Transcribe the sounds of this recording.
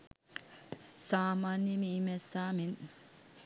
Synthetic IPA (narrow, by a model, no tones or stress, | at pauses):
saːmaːnjimimɛsaːmin